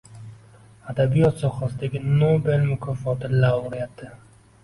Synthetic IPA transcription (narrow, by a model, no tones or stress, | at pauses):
ad̪abijɔt̪sɔχɑsd̪ɪɡʲɪnobelmʊkʰɔfɔt̪ɪlawɾijat̪ːɪ